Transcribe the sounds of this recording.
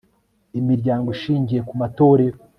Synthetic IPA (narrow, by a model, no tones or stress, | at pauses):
imiɾɟaːŋɡoiʃiːɲɟije̞kumato̞ːɾe̞ɾo